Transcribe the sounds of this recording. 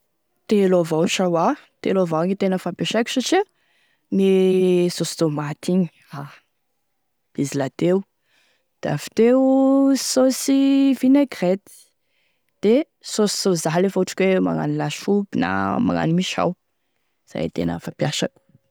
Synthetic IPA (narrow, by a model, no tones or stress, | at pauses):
t̪elovawʃawat̪elovawŋit̪enəfapjaʃakʲu̥saʈ͡ʂi | nisosid̪omat̪ʰiɲi̥ | a | b̥izilat̪ew | d̪̥a̰fi̥t̪e | sosivineɡret̪i̥ | d̪̥e | sosi̥zozaɦlefoʈ͡ʂi̥kʲwema̰ŋa̰nilaʃubina̰ma̰ŋa̰nimiʃa̰w | z̥a̰jt̪ḛnə̰fapjaʃa̰kʲu̥